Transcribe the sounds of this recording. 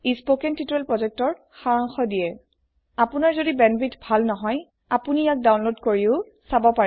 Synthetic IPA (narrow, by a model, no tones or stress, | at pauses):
ispokɛntituɛlpɹɔzɛk̚tɔɹ | xaɹaŋxɔdijɛ | apʊnaɹzodibɛnbitbʱalnɔɦɔj | apunijak̚dawnlodkoɹiʊ | sabɔpaɹɛ